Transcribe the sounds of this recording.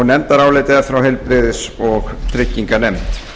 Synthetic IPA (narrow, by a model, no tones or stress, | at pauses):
nɛmt̪aɾawlɪt̪ɪafɾawɦɛjlpɾɪðɪsɔɣt̪ʰɾɪcːiŋkanɛmt̪